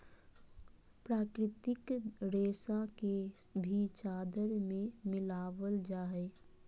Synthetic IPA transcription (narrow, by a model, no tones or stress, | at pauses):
pɾaːkɾɪt̪ɪkɾeːsakebʱit͡ʃaːd̪əɾmẽmɪlaːʋəld͡ʒaːɦɛ